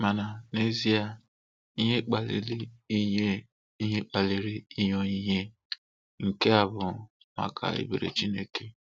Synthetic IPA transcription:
ma˨na˨ne˦zi˦a˨ | i˦ɦe˦k͡pa˨lḛ˨li˦i˦ɦe˦ | i˦ɦe˦k͡pa˨le˨ɾi˦i˦ɲɔ˦i˦ɦe˦ | ŋ̩˨ke˦a˨bʊ˨ | ma̰˨kʰa̰˨ḛ˦be˨ɾḛ˨t͡ʃi˦ne˦ke˦

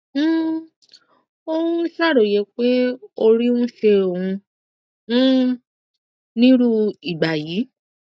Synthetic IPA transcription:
o˦˧wũ˦sa˦˨ɾo˨je˨˧˦k͡pe˦o˧ɾi˦ũ˦ʃe˧õ˨ũ˧˦ | nĩ˦ɾu˦i˨ɡ͡ba˨jiː˨˦

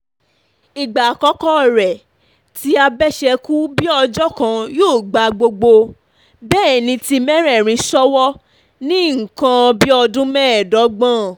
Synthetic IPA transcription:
i˨ɡ͡ba˨kɔ˨˦kɔ˦˨ɾɛ˨ | ti˦a˧bɛ˦ʃɛ˧ku˦bi˦ɔ˧d͡ʒɔ˦kã˧joː˦˨ɡ͡ba˨ɡ͡bo˧ɡ͡bo˧ | bɛː˦˨nĩ˧ti˧mɛ̃˦ɾɛ˦˨ɾ̃ĩ˧sɔ˦wɔ˦ | nĩ˦ŋ̩˨kã˧bi˦ɔ˧dũ˦mɛ̃˦˨dɔ˨˦ɡ͡bã˦˨

